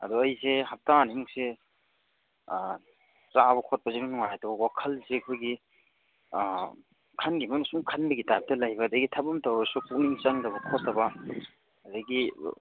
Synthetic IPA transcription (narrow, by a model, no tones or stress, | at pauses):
ɐ̰duɐjseɦap̚tanimuk̚se | t͡ʃabɐkʰɔt̚pɐzenunɔŋajatɐbɐwakʰɐlsekʰojɡi | kʰanɡimɐnusuŋkʰanbɐɡitab̚tɐlajbɐdɐɡitʰapɐmtawɾɐsukuk̚niŋt͡ʃaŋdɐbɐkʰɔtːɐbɐ | dɐɡḭ